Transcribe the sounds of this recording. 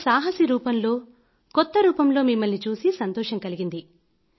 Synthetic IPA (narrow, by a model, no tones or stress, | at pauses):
saːɦɐsiɾuːpɐmlo̞ː | kɔt̪ːɐɾuːpɐmlo̞ːmimːɐlnit͡ʃuːsisɐnt̪ɔːʃɐŋkɐliɡind̪i